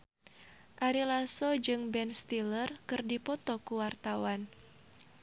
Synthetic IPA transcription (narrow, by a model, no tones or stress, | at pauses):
ʔaɾilasɔd͡ʒɨŋbɛnst̪ilərkɨrdipɔt̪ɔkuwart̪awan